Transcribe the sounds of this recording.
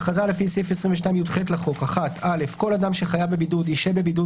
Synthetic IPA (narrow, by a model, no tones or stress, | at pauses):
χazale̞fisefesʁĩɱveʃ̬najmjudχetlaχo̞kaχat̪ʰale̞fko̞lad̪amʃe̞χajavbebidud̪iʃebe̞bidu